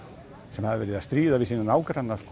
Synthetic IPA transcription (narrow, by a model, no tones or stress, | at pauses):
sɛmhaðɪvɛːɾɪðast̪ɾiːðavɪðsiːnanaːwkɾanːask